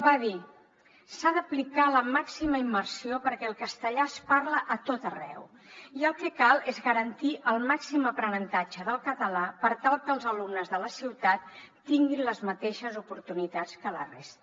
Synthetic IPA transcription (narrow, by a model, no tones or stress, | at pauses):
baði | saðəplikaləmaksiməimːəɾsiopəɾkɛəlˠkəst̪əʎaspaɾləʔət̪ot̪ərɛ̰w | iəlˠkɛkalˠezɣəɾənt̪iʔəlˠmaksiməpɾənənt̪ad͡ʒəðəlˠkət̪əlapəɾt̪alˠkəlˠzəlumnəzðələsiwt̪at̪̚ː | iŋɡinləzmət̪eʃəzupuɾt̪unit̪at͡skələ̰rḛst̪ə